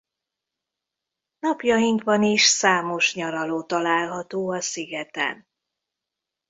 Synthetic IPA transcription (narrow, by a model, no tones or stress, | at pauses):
nɒpjɒjiŋkʋɒniʃsaːmo̞ʃɲɒɾɒloːt̪ɒlaːlɦɒt̪oːɒsiɡɛt̪ɛ̰n